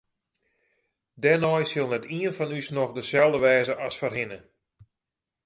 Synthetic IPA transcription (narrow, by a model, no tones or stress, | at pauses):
dɛnɔjsɪlˠnɛtiənfɔnysnɔxdəsɛlˠdəʋɛːzəʔɑsfərɦɪnə